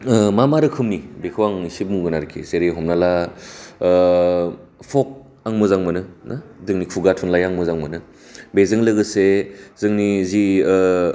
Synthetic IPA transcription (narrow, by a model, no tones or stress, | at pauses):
mamaɾɯkʰɯmnibekʰɯwaŋisip̚muɡɯnaɾkʰezeɾeɦɔmnala | pʰɔk̚ | aŋmɯzaŋmɯnɯnadɯŋnikʰuɡatʰunlajaŋmɯzaŋmɯnɯ | bezɯŋlɯɡɯsezɯŋnizi